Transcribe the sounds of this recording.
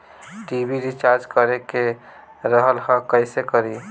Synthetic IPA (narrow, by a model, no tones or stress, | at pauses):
ʈibiɾit͡ʃaɾd͡ʒkəɾeke | ɾəɦəlhə̃kəɪsekəɾi